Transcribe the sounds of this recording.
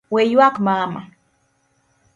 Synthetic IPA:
wejwakmama̰

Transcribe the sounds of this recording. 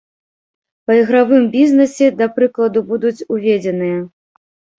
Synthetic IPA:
pɐiɣɾavɨmbʲiznɛsʲɛd̪ɐpɾɨklˠɐd̪ubud̪ut͡sʲuvʲed͡zʲɛnɨjɐ

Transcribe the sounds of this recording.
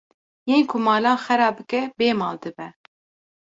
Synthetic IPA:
jeːnkʰʊmɑːlɑːxɛɾɑːbɨkɛbeːmɑːld̪ɨbɛ

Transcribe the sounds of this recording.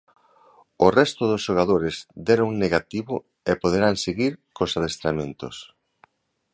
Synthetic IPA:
orɛst̪ʊðosʃoɣ̞aðoɾɪzd̪ɛɾouŋneɣat̪iβʊ | epoð̞eɾaŋseɣiɾkosaðest̪ɾamẽnt̪ʊ̰s

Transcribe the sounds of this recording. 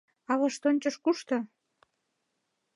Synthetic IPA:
ɑβɑʃt̪onʲt͡ɕəʃkuʃt̪ɤ̆

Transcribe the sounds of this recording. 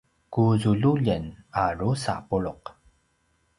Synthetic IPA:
kuzuɮuʎənaɾusa̰puɭʊq

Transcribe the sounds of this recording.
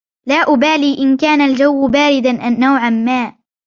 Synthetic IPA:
laːʔʊbaːliːʔɪnkaːnald͡ʒawːbaːɾɪd̪aʔːawʕanmaːʔ

